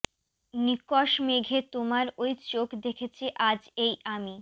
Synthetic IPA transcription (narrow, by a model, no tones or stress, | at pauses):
nikɔʃmeɡʱet̪omaɾojt͡ɕokd̪ekʰet͡ɕʰiʔad͡ʑejami